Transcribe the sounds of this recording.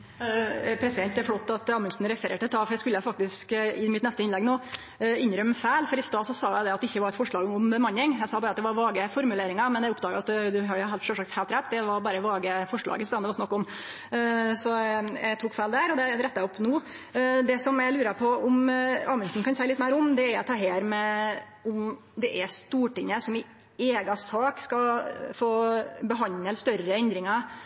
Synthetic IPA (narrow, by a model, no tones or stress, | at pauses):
pʰɾɛsɪd̪ɛnt̪d̪æflot̪ːɑt̪ɑːmʉnsnɾɛfəɾeːʈɪlt̪ʰɑːfɔɾæɪskʉlːəjæfɑk̚t̪ɪskɪmɪt̪nɛst̪əɪnlɛɡnoː | ɪnɾœmːfæɪlfɔɾɪst̪ɑːsɔsɑːjæɪd̪ɛɑt̪ɛɪçːəʋɑɾɛt̪fɔʂɭɑːɡʊmbəmɑnːɪŋjæɪsɑːbɑːɾəɑt̪̚d̪ɛʋɑɾʋɑːɡəfɔɾmʉleːɾɪŋɑmɛnjæʊp̪̚ːɑːɡəɑt̪d̪ʉɦɑɖɛhɛʂɔʂɑk̚t̪heːlt̪ɾɛt̪ːd̪ɛʋɑɾbɑːɾəʋɑːɡəfɔʂɭɑ̰ːɡəsɑːnd̪ɛʋɑsnɑkːɔm | sɔæ̰t̪ʰuːkfæɪld̪æɾɔd̪ɛɾɛt̪ːɑɔpnuː | d̪ɛsɔmjæɪlʉːɾəpʰɔʊmɑːʋmɛnsn̩kɑnsæɪlɪt̪mæɪɾʊmd̪ɛæɾt̪ʰɑːɦeːɾmɛ | ʊm | d̪ɛʔɛst̪uːʈɪŋːəsɔmɪ | eːɡɑsɑːkskɑfoːbəɦɑnəlst̪œɾəɛnd̪ɾɪŋɑ